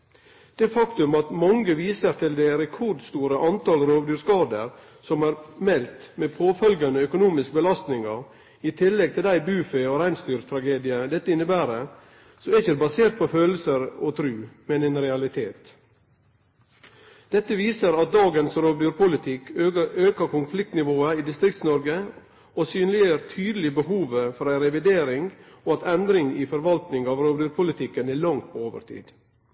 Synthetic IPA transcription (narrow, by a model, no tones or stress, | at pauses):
d̪̥ɛfɑkt̪ʉmɑt̪mɑŋɡəʋiːsəɾt̪ʰɪld̪ɛɾɛkʰɔɾd̪st̪uːɾəʔɑnt̪ɑːlɾoːʋd̪yːɾskɑːd̪əɾ | sɔmæːɾmɛlt̪mɛpʰoːfœlɡɑnəœkʊnuːmɪskəbəlɑst̪nɪŋɑɾ | ɪt̪ʰɪlːɛɡ̚t̪ʰɪlæɪbʉːfɛoːɾæɪnst̪yːɾt̪ʰɾɑɡeːd̪ɪəd̪ɛt̪ːəɪnːəbæːɾə | soæɪçəd̪ɛbɑseːɾt̪̚pʰɔføːləsəɾɔt̪ʰɾʉːmɛnɛnɾɛɑlɪt̪ʰeːt̪ | d̪̥ɛt̪ːəʋiːsəɾɑt̪̚d̪ɑːɡənsɾoːʋd̪yːɾpʰʊlɪt̪ʰɪkøːkəkʊnflɪk̚t̪nɪʋoːəiːd̪ɪst̪ɾɪk̚t̪snɔɾɡə | oːsyːnlɪəɾt̪ʰyːd̪əl̩ɪbəhuːʋəfɔɾæɪɾɛʋɪd̪eːɾɪŋoːɑt̪ɛnd̪ɾɪŋiːfɔɾʋɑlt̪nɪŋɑːʋɾoːʋd̪yːɾpʰʊlɪt̪ʰɪkːənæːlɑŋt̪pʰːoːʋə̰ɾt̪ʰḭːd̪̥